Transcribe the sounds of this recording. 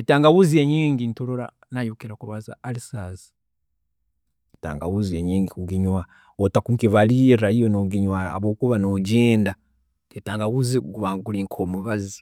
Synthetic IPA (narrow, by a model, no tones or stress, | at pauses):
etaːŋɡaβuzieɲiːŋɡintoloɾa̰ | najukiɾakuβaza̰alisazi̥ | eta̰ːŋɡaβuzieɲiːŋɡikuɡiɲwa | otakuŋkiβalijeɾajijonoɡiɲwaa̰βo̞ːkuβanoɟeːnda | etaːŋɡaβuziɡuβaɡuliːŋkʰoːmuβazi